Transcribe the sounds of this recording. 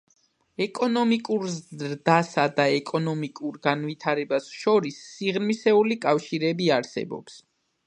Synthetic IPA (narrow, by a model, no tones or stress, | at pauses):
ɛkʼɔnɔmikʼuɾzɾd̪asad̪aɛkʼɔnɔmikʼuɾɡanvit̪ʰaɾɛbasʃɔɾisːiʁnmisɛulikʼafʃiɾɛbiaɾsɛ̰bɔ̰ps